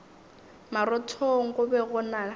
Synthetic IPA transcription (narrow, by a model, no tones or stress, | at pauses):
maɾɔtʰoŋ̩kʊbɛɣʊna